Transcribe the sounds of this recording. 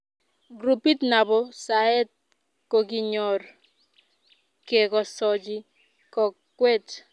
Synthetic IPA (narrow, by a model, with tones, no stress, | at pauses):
ɡɾu˨pi˦tna˨bɔ˦sa˨e˦t̚ | ko˨ki˦ɲɔ˨r | ke˨kɔ˨sɔ˦d͡ʒi˦ | kɔ˨kː | we˦t